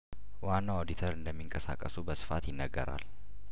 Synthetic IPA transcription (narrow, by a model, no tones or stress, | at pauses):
waːnːaod̪ɪt̪ʰəɾɨnd̪əmːɪŋkʼɐsa̰ːkʼɐsubɐsɨ̥faːt̪jɪnːɐɡːɐ̰ɾa̰ːl